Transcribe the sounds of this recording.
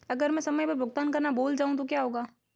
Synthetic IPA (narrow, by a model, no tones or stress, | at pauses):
ɐɡəɾmɛ̃ːsɐməjpebʊɡt̪aːnkɐɾnaboːld͡ʒaːũt̪̬okjaːɦoːɡaː